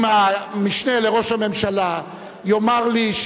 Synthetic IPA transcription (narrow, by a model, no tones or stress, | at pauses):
mamiʃne̞le̞ʁo̞ʃhame̞mʃala | jo̞maʁliʃ